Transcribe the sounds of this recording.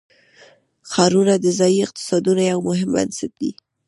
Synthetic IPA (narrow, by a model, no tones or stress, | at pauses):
xɑɾunad̪əzɑjiɪq̚t̪ɪ̥sɑd̪unajawmʊɦɪmba̰nsɪt̪̚d̪ḭ